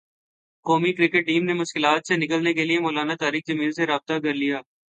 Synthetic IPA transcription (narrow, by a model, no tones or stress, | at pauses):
kɔːmikɾɪkɪʈ̚ːiːmnemʊʃkɪlaːt̪senɪkəlnekeliemoːlaːnat̪aːɾiːk̚d͡ʒɐmiːlseɾaːb̚t̪akɐɾlijaː